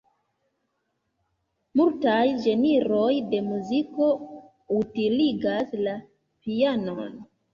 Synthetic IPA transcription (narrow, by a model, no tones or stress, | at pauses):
multajd͡ʒe̞niɾo̞jde̞muziko̞ | utiliɡasla | piano̞n